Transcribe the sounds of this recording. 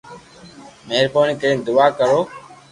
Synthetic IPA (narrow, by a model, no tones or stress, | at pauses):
meːɾpoːniːkəĩːnd̪ʊʋaːkəɾoː